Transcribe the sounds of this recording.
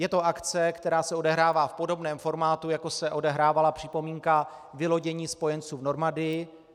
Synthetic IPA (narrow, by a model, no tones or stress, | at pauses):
jɛt̪o̞ʔakt͡sɛkt̪ɛɾaːsɛo̞dɛɦɾaːvaːfpo̞do̞bnɛːmfo̞ɾmaːt̪ujako̞sɛʔo̞dɛɦɾaːvalapr̝̥ɪpo̞miːŋka | vɪlo̞ɟɛɲiːspo̞jɛnt͡suːvno̞ɾmadɪjɪ